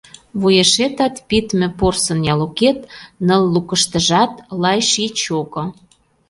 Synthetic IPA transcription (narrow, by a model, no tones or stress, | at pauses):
βujeʃet̪ɑt̪pit̪mĕporsə̆njɑloket̪nə̆lːukə̆ʃt̪ə̆ʒɑt̪lɑjʃit͡ɕoko